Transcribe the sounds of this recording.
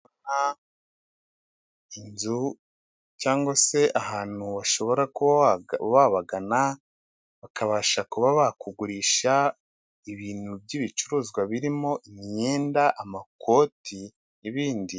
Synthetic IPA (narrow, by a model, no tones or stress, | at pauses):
na | inzu | caːŋɡwase̞ʔahaːn̥huβaʃo̞βo̞ɾakuβaβaɡana | βakaβaːʃakuβaβakuɡuɾiːʃa | iβiːn̥hubɟiβit͡ʃuɾuːzɡwaβiɾimo̞ʔimiɲe̞ːndaʔamakʰo̞ːtʰi | niβiːndi